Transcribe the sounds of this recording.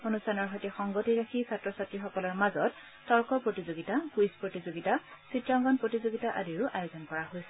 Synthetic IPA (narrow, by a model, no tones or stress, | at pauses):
onustʰanɔɹɦɔjtɛxɔŋɡotiɹakʰisatɹɔsatɹixɔkɔlɔɹmazɔtː | ɔɹkɔpɹotizoɡitakujspɹotizoɡitasitɹaŋɡɔnpɹotizoɡitaʔadiɹʊʔajozɔnkɔɹaɦojsɛ̥